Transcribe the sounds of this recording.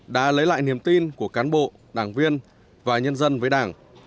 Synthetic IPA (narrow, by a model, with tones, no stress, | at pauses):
ɗa̰ː˧˥lə˨˦jla̰ː˧˨jni˨˩əmt̪i˧nku˧˩əkaː˨˦nɓo̰˧˨ | ɗaː˧˩ŋvi˧ən | vaː˨˩ɲə˧nzə˧nvəː˨˦jɗaː˧˩ŋ